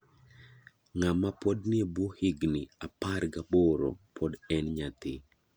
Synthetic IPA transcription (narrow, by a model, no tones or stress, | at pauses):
ŋamapɔdnɪbɔhiɡniaparɡaboɾɔ̰pʰɔdɛnɲat̪ɪ